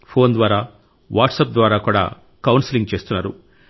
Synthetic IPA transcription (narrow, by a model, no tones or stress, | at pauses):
pʰo̞ːnd̪ʋaːɾaː | ʋa̰ːʈsɐp̚d̪ʋaːɾaːkuːɽa̰ː | kɐwnsiliŋɡt͡ʃe̞ːst̪unːaːɾṵ